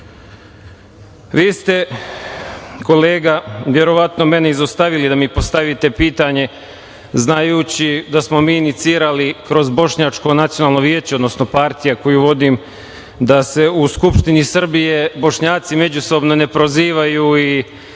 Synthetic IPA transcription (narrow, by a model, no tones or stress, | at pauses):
ʋiːst̪e̞ | ko̞le̞ːɡaʋje̞ɾo̞ʋat̪no̞me̞neizost̪aʋilid̪amipo̞st̪aʋit̪e̞piːt̪aɲe̞ | znajuːt͡ɕid̪asmo̞miːnit̪siːɾalikɾo̞zbo̞ʃɲat͡ʃko̞nat̪sijo̞naːlˠno̞ʋjeːt͡ɕeo̞d̪no̞sno̞paɾt̪ijako̞juʋo̞d̪im | d̪ase̞uskupʃt̪inisr̩bije̞bo̞ʃɲaːt̪sime̞d͡ʑuso̞bno̞ne̞pɾoziːʋajuːi